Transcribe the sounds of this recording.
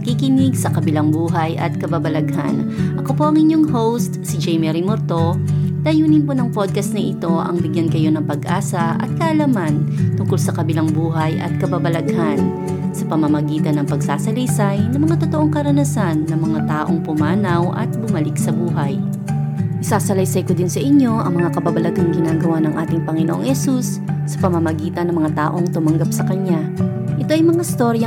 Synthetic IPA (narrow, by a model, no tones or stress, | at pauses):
ɐkikɪnɪɡsɐkɐbɪlaŋbuːɦɐjʔɐ̰t̪̚kɐbabɐlɐɡha̰n | ʔɐko̞po̞ʔɐŋʔɪɲjoŋɦowst̪sɪd͡ʒɛjmɛɾimoɾt̪o̞d̪̥ɐjuːnɪnponɐŋpod̪̚kɐst̪nɐʔɪt̪o̞ʔɐ̰ŋbɪɡjankɐjo̞nɐŋpɐɡʔaːsɐʔɐ̰t̪̚kɐʔɐlamant̪ʊŋkolsɐkɐbɪlaŋbuːɦɐjʔɐ̰t̪̚kɐbabɐlɐɡhan | sɐpɐmɐmɐɡiːt̪ɐnːɐŋpɐɡsaːsɐlijsajnɐmɐŋat̪o̞t̪oʔo̞ŋkɐɾɐnɐsanːɐŋmɐŋat̪aːʔo̞ŋpʊmaːnɐwʔɐ̰t̪̚bʊmɐlɪk̚sɐbuːɦɐj | ʔɪsaːsɐlɐjsɐjkod̪ɪnsɐʔɪɲːo̞ʔɐŋmɐŋakɐbabɐlɐɡɐŋɡɪnaːɡɐwanɐŋʔaːt̪ɪŋpɐŋɪnoʔoŋhɛsusː | ɐpɐmɐmɐɡiːt̪ɐnɐŋmɐŋat̪a̰ːʔo̞ŋt̪ʊmɐŋɡap̚sɐkɐɲa | ʔɛt̪o̞ʔɐjmɐŋaɪst̪o̞ɾjɐ